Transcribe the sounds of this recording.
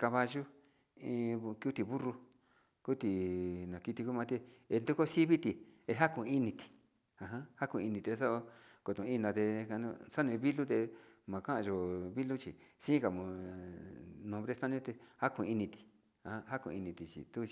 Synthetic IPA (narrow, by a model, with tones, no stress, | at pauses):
ka˧βa˧ʒu˦ | ĩ˧ku˦t̪i˨βu˦ru˧ | ku˦t̪i˨nã˨ki˧t̪i˧ku˦mã˧t̪i˧e˧nd̪u˦ko˦si˦βi˦t̪i˨e˧ɦa˦kũ˧i˦nĩ˧t̪i̥˨ | ã˨ɦã˦ha˦kũ˧i˧nĩ˨t̪e˧sa˦o˧ | ko˨t̪õ˨˧ĩ˦nã˧t̪e˧ka˧nṵ̃˧sa˦nẽ˧βi˦lu˦t̪e˧mã˨kã˦ã˧ʒo˨βi˦lu˦t͡ʃi˨sĩ˦ka˨mõ˨ | nõ˧˨βɾe˦st̪ã˦nĩ˦t̪e˧ha˦kũ˧i˧nĩ˧t̪i̥˨ | ã˨hã˦ɦa˦kṵ̃˧i˧nĩ˧t̪i˨t͡ʃḭ˨t̪u˦t͡ʃi˧